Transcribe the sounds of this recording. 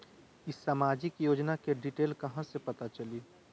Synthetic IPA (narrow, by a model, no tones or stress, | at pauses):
ɪsːaːmaːd͡ʒɪkjoːd͡ʒnakeɖiʈeːlkɐɦãsepɐt̪at͡ʃɐliː